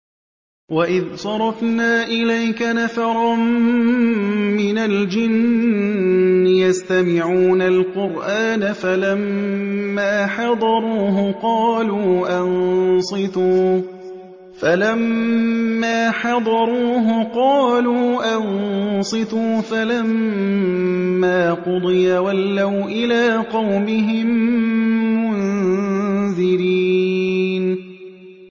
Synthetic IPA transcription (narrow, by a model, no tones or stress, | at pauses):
waʔɪðsˤɑɾˤɑfnaːʔɪlajkanafɑɾˤɑm | mɪnald͡ʒɪn | ɪjast̪amɪʕuːnalqʊɾʔaːnafalamː | aːħɑd̪ˤɑɾˤuːɦʊqɑːluːʔansˤɨt̪uː | falamː | aːħɑd̪ˤɑɾˤuːɦʊqɑːluːʔansˤɨθuːfalam | aːqʊd̪ˤɨjawalːawʔɪlaːqɑwmɪɦɪmː | ʊn | ðɪɾiː | n